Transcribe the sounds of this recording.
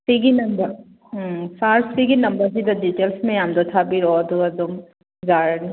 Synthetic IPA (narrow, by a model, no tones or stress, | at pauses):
siɡinɐnbɐɾ | saɾsiɡinɐmbəɾsid̪aditelsmejamd̪ɔt̪ʰabiɾɔd̪uɐd̪ɔm | zaɾni